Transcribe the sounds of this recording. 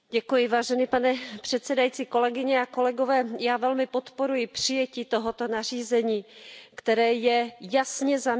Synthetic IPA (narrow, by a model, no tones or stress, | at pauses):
ɟɛkujɪvaːʒɛnipanɛpr̝̥ɛt̪t͡sɛdajit͡siːko̞lɛɡɪɲɛako̞lɛɡovɛːjaːvɛlmɪpo̞t̪po̞ɾujɪpr̝̥ɪjɛciːt̪oɦot̪o̞nar̝iːzɛɲiːkt̪ɛɾɛːjɛjasɲɛza